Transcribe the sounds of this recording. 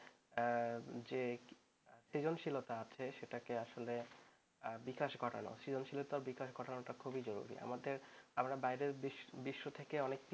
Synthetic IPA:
d͡ʑe | sid͡ʑonʃilot̪aat͡ɕʰeʃeʈakeaʃole | bikaʃɡɔʈa̰no̰sid͡ʑonʃilot̪aɾbikaʃɡɔʈanoʈakʰubid͡ʑɔɾṵɾḭa̰mad̪eɾamɾabajɾeɾbibiʃːot̪ʰekeɔnekʈi

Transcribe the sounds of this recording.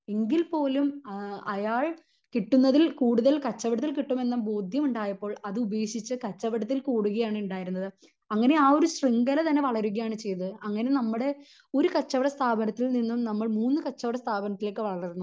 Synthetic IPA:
eŋɡilpo̞ːlumɐjaːɭ | kiʈːunːɐðilkuːɽuðɐlkɐt͡ɕːɐʋiɽɐt̪̬ːilkiʈːume̞nːɐbo̞ːd̪ʱjɐmuɳɖaːjɐpːo̞ːɭɐðɨube̞ːkʂit͡ɕːɨkɐt͡ɕːɐʋiɽɐt̪ːilkuːɽuɣɐjaːɳuɳɖaːjiɾunːɐðɨ | ɐŋːɐne̞aːo̞ɾuɕriŋɡɐlet̪ɐnːe̞ʋɐɭɐɾuɣɐjaːɳɨt͡ɕe̞jt̪ːɨɐŋːɐne̞nɐmːuɽe̞ | o̞ɾukɐt͡ɕːɐʋɐɽɐst̪ʰaːbɐnɐt̪ːilninːumnɐmːɐɭmuːnːɨkɐt͡ɕːɐʋɐɽɐst̪ʰaːbɐnɐt̪ːileːkːɨʋɐɭɐrɾunːu

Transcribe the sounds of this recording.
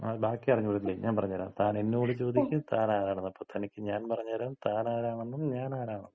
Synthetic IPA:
abaːkːiɐrɐɲːɨpoɾt̪ːilːeɲʔaːnpɐrɐɲːaɾa̰ːmt̪aːne̞nːeoːɽit͡ɕo̞ːd̪ikʲːumt̪aːnaːɾaːɳenːɐpːoːt̪ʰɐnikʲːɨɲaːnpɐrɐɲːaɾaːmt̪aːnaːɾaːɳenːuɲaːnaːɾaːɳɐnː

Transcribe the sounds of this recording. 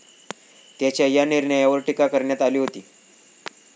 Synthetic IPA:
t̪jat͡ɕjajaniɾɳəjaʋəɾʈikakəɾɳjat̪aliːɦot̪iː

